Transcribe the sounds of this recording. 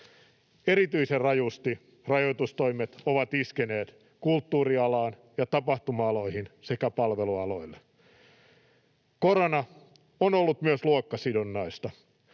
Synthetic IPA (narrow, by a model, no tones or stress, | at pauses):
eɾit̪yiserrɑjust̪i | rɑjoit̪ust̪oimet̪oʋɑt̪iskeneːt̪ | kult̪ːuːriɑlɑːn | jɑt̪ɑpɑht̪umɑɑlo̞ihinsekæpɑlʋeluɑlo̞ilːe | koɾonɑ | onolːut̪myøsluokːɑsidonːɑist̪ɑ